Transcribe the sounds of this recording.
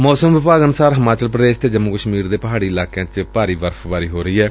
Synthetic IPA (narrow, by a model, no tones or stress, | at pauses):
mɔːsəmʋɪpaːɡənʊsaːɾɦəmaːt͡ʃəlp̬ɾəd̪eːst̪eːd͡ʒəmːʊkəʃmiːɾd̪eːpəɦaːɽiːɪlaːkejãːt͡ʃpaːɾiːʋəɾpʰʋaːɾiːɦoːɾəiːɛː